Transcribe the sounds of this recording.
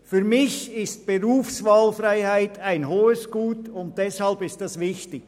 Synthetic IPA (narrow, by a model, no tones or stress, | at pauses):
fyɾmɪçɪst̚b̥eɾuːfsvɑːlfraɪhaɪtaɪnɦoːəsɡ̥uːtʊnt̚d̥ɛshɑlbɪstdɑsvɪçtɪk